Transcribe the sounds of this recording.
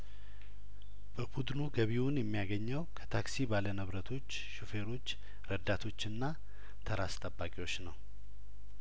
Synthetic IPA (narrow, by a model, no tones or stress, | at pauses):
bəbud̪nuɡəβiwʊnjɛmːijaɡəɲːəwkʰə̥t̪ʰaksibalənəβɾət̪ʰo̞t͡ʃː | ʃufe̞ɾo̞t͡ʃː | ɾəd̪at̪ʰo̞t͡ʃːɨnːa | t̪ʰəɾast̪ʼəbːakʼiwo̞t͡ʃːnəw